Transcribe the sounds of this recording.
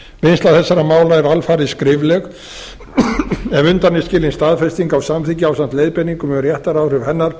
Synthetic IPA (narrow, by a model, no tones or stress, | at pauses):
venst̪laθɛsːaɾamaːwlaɛɾalfaːɾɪskɾɪvlɛɣ | ɛvʏnt̪anɪscɪːlɪnst̪aːðfɛst̪iŋkawsamθiŋcɪawsant̪leːjðpɛnːiŋkʏmɛɣrjɛht̪aɾawrʏvhɛnːaɾ̥